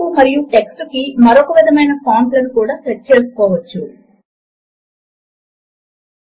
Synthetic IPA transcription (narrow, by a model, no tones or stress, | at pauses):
umɐɾijuʈeksukimɐɾɔkɐʋid̪ʱɐmɐjnɐpaːmʈlɐnukuːɽaːtɐt͡ʃeːsu̥kɔːʋɐt͡ʃːu